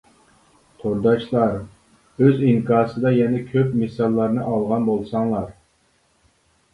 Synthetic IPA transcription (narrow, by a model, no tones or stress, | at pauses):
t̪ʰoɾd̪ɑʃlˠɑɾ | øziŋkʰɑːsɨd̪ɑjɛnɛkʲʰøpmesɑlˠːɑɾnɨʔɑlˠʁɑnbolˠsɑŋlˠɑɾ